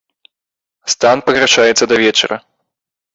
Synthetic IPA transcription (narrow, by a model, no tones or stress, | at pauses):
st̪anpɐɣɾaʂajɛt̪sːɐd̪ɐvʲɛt͡ʂɐ̰ɾɐ